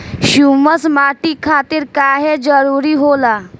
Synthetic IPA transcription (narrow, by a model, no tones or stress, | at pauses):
ɕuməsmaʈiːkʰat̪iːɾkaɦed͡zəɾuɾiːɦola